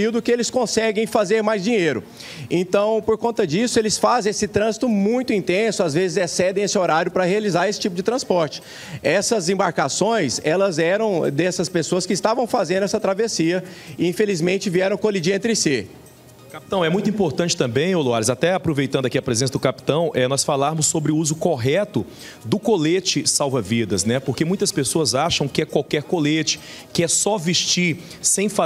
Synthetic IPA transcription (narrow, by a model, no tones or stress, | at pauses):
iwd̪ʊkɪelɪskõsɛɡẽj̃fazeɾmajzd͡ʒĩɲejɾʊ̰ | ẽnt̪ɐ̃w̃poɾkõnt̪ɐd͡ʒisʊelɪsfazẽesɪt̪ɾɐ̃zit̪ʊmũj̃t̪ʊĩnt̪ẽsʊazvezɪzɛsɛd̪ẽj̃esɪoɾaɾjʊpɾɐhealizaɾesɪ̥t͡ʃipʊd͡ʒɪt̪ɾɐ̃spɔɾt͡ʃɪ̥ | ɛsɐzẽbaɾkasõj̃sɛlɐzɛɾɐ̃w̃d̪ɛsɐspesoɐskɪːst̪avɐ̃w̃fazẽnd̪ʊɛsɐt̪ɾavesiɐɪĩfelizmẽnt͡ʃɪviɛɾɐ̃w̃kolid͡ʒiɐẽnt̪ɾɪsi | kapi̥t̪ɐ̃w̃ɛmũj̃t̪ʊĩpoɾt̪ɐ̃t͡ʃɪ̥t̪ɐ̃mbẽj̃oloaɾɪzat̪ɛapɾovejt̪ɐ̃nd̪akiɐpɾezẽsɐd̪ʊkapi̥t̪ɐ̃w̃ʔɛnɔsfalaɾmʊsːobɾɪuzʊkoɦɛt̪ʊ | d̪ʊkolet͡ʃɪsawvɐvid̪ɐsnɛpoɾkemũj̃t̪ɐspesoɐzaʃɐ̃w̃kɪɛkwawkɛɾkolet͡ʃɪ̥ | kɪɛsɔviʃt͡ʃiɾ | sẽj̃fa